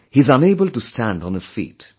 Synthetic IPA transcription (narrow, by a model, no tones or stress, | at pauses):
hiɨzʌ̃neɪbəlˠtustʰæ̃nd̃n̩ɨz̥fḭːt